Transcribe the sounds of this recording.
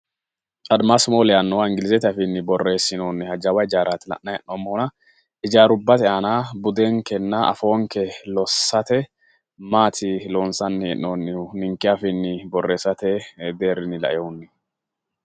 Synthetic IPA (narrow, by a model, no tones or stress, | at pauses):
ɐd̪masmoːlɛɐnːɔwɪŋɡɪlɪzɛt̪ɪɐfɪnːɪbɔrːe̞ːsːɪnoːnːɪhɐd͡ʒɐwɐjd͡ʒaːɾat̪ɪlɐ̰ʔːɐjɛʔːomːoːnɐ | ɪd͡ʒaːɾʊbːɐt̪ɛanaːbʊd̪eŋkɛnːɐɐ̰fo̞ːŋkɛlɔsːɐt̪ɛ | maːt̪ʰɪloːnsɐnːɛʔːoːnːɪnɪŋkːɪafɪnːɪbɔrːeːsːɐt̪ɛd̪eːrɪnːɪlɐ̰ʔɛʊnːɪ